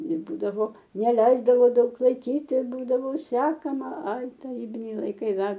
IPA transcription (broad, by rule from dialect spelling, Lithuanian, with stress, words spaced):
ɪr ˈbuːdɐʋoː nʲɛˈlʲɛɪzdɐʋoː ˈdɐʊk lˠɐɪˈkʲiːt ɪr ˈbuːdɐʋoː ˈsʲæːkɐmɐ ˈɐɪ tɐˈrʲiːbʲɪnʲɛɪ lˠɐɪˈkɐɪ ˈdɐr